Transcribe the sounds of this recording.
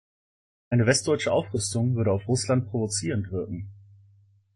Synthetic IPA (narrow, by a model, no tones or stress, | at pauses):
ʔaɪnəvɛstd̥ɔʏt͡ʃəʔaʊfʁʏstʊŋvʏɐɾəaʊfʁʊslant̚pʁ̥ovot͡siːʁəntv̥ɪɐkŋ̩